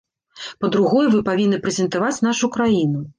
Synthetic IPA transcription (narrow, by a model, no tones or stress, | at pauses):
pɐd̪ɾuɣɔjɛvɨpavʲinːɨpɾɛzʲɛnt̪avat͡sʲnaʂukɾajinu